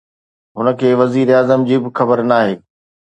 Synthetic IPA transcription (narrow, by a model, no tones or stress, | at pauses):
ɦʊnə̆kʰeːʋɐziːɾeaːzəmd͡ʑiːbɪxɐbəɾnaːɦeː